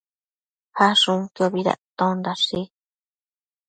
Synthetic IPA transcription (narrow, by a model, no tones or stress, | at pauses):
haʂũŋkioβiða̰t̪õnd̪aʂi